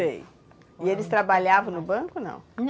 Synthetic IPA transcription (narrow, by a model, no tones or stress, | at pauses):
ḛj | ɪelɪst̪ɾabaʎavɐ̃w̃nʊbɐ̃kʊnɐ̰̃w̃